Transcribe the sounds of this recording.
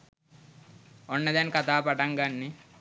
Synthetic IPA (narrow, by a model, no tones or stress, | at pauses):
onːɐd̪enkɐt̪ʰaːpɐʈɐŋɡɐnːi